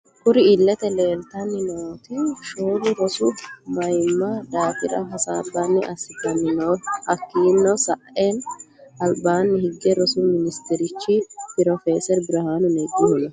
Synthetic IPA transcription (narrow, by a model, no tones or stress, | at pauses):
kʊɾɪɪlːɛt̪ɛleːlt̪ɐnːɪnoːt̪iʃoːlʊɾɔsumɐjmːaːd̪aːfɪɾɐ̰ɦɐsaːbːaːnːɪʔɐsɪt̪ɐnːɪnoːhɐkːiːnːɔsɐʔeːnɐlbaːnːɪhɪɡɛɾɔsuːmɪnɪst̪ɪɾɪt͡ʃːipɪɾɔfeːsɛɾbɪɾɐhaːnʊneɡɪhʊnɐ